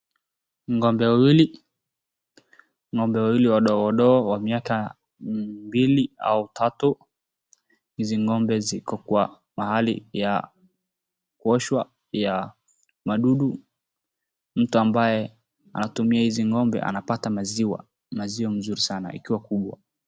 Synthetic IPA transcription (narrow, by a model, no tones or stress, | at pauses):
ŋɔmbɛwawili | ŋɔmbɛwawiliwaɗɔwaɗɔːwamiaka | mbilia̰utʰatu | hiziŋɔmbɛzikɔkuwa | mahalḭja | kuɔʃwa | ja | maɗuɗu | m̩tuambajɛ | a̰natumiahiziŋɔmbɛ̰ʔa̰napatamaziwa̰ | maziam̩zuɾisana̰ḭkiwakuɓwa̰